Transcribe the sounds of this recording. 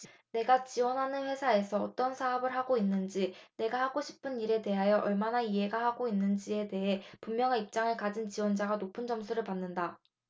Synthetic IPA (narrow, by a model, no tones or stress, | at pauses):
ne̞ɡat͡ɕiwʌnɦanɯnɸwe̞sʰae̞sʰʌːt͈ʌnsʰaʌbɯɭɦaɡoinːɯnd͡ʑine̞ɡahaɡoɕʰi̥pʰɯniɾe̞te̞ɦajʌʔʌɭmanaiɦe̞ɡahaɡoinːɯnd͡ʑie̞de̞ɦe̞pummjʌŋeip̚t͡ɕ͈aŋɯɭkad͡ʑint͡ɕiwʌnd͡ʑaɡanopʰɯnt͡ɕʌmsʰuɾɯɭpanːɯnda